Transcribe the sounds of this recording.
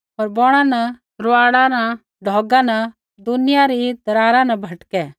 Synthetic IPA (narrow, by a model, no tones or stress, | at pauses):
ɔːɾbɔɽ̃ãnɐ | ɾʊaːɽãna | ɖʱɔːɡãnɐ | d̪ʊnɪjaɾid̪ɐɾaːɾãnɐbʱɐʈkɛ